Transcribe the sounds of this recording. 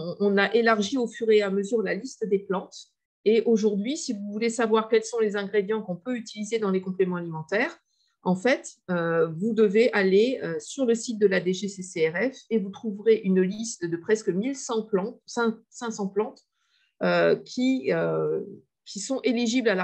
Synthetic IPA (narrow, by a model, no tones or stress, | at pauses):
ɔ̃ʔɔ̃naʔelaʁʒiofyʁeaməzyʁlalist̪d̪eplɑ̃t̪ | eʔoʒuʁd̪ɥisivuvulesavwaʁkʲɛlsɔ̃lezɛ̃ɡʁed̪jɑ̃kɔ̃pøyt̪ilized̪ɑ̃lekɔ̃plemɑ̃alimɑ̃t̪ɛːʁ | ɑ̃fɛt̪øvud̪əveʔaleøsyʁləsit̪̚d̪əlad̪eʒeseseɛʁɛfevut̪χuvʁeʔynlist̪d̪əpχɛskəmilsɑ̃plɑ̃sɛ̃sɛ̃sɑ̃plɑ̃t̪ | økʲʰiø | kʲʰisɔ̃ʔeliʒiblala